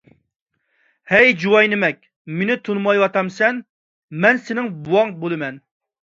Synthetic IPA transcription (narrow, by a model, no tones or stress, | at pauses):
hɛjd͡ʒuwɑjnɪmɛkʲ | menɪt̪ʰunmɑjwɑt̪ɑmsɛn | mɛnsɪnɪŋbuwɑŋbolˠɨmɛn